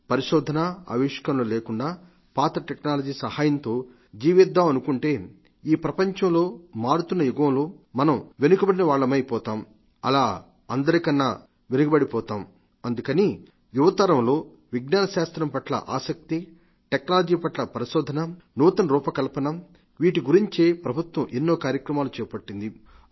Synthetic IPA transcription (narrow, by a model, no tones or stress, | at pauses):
pɐɾiʂɔːd̪ʱɐnɐɐ̰ʋiʂkɐmluleːkuɳɖaː | paːt̪ɾɐʈeknaːlɐd͡ʒiːsɐhaːjɐnt̪o̞ː | d͡ʒiːʋid̪ːaːmɐnukuɳʈe̞ː | iːpɾɐpɐɲt͡ʃɐmlo̞ːmaːɽut̪unːɐjuɡɐwloːmɐnɐmʋe̞nuɡɐbɐɽinɐʋaːɭːɐmɐjpɔːt̪aːm | ɐ̰laː | ɐnd̪ɐɾikɐnːaː | ʋenukɐbɐɽipɔːt̪aːm | ɐnd̪ukɐni | juʋɐt̪ɐɾɐmlo̞ː | ʋiɡnaːnɐʃaːst̪ɾɐmpɐʈlɐ̰ʔaːsɐk̚t̪i | ʈeknaːlɐd͡ʒiːpɐʈlɐpɐɾiʃɔːd̪ʱɐnɐ | nuːt̪ɐnɐɾuːpɐkɐlpɐnɐ | ʋiːʈiɡuɾiɲt͡ʃeːpɾɐbʱut̪ʋɐmʔenːo̞ːkaːɾjɐkɾɐmaːlut͡ʃɛːpɐʈːind̪i